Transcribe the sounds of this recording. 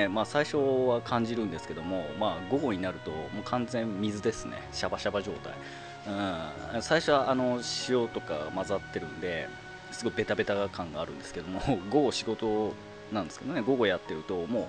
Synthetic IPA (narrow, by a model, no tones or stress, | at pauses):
emaːsaiɕo̞βakʰãɲ̟d͡ʑiɾɯ̟̃nd̪e̞sɨ̥ke̞d̪o̞mo̞maːɡo̞ɡo̞ɲ̟inaɾɯ̟t̪o̞moːkʰãnzẽ̞mmʲizɨd̪e̞sɨne̞̰ɕabaɕabaʑo̞ːt̪a̰i | ɯ̟̃ | anosaiɕo̞βaano̞ɕio̞t̪o̞ka̰mazat̪ːe̞ɾɯ̟̃nd̪e̞ | sɨɡo̞ibe̞t̪abe̞t̪aɡakãŋɡaːɾɯ̟̃nd̪e̞sɨ̥ke̞d̪o̞moɡo̞ɡɕiɡo̞t̪o̞ | nãnd̪e̞sɨ̥ke̞d̪oneɡo̞ɡo̞jat̪ːe̞ɾɯ̟t̪o̞mo̞ː